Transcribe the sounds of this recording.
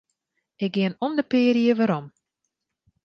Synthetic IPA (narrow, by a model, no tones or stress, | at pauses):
ɪk̚ɡɪənomdəpɪːɾiəʋaɾɔm